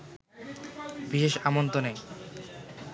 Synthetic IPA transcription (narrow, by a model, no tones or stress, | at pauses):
biʃeʃamont̪onej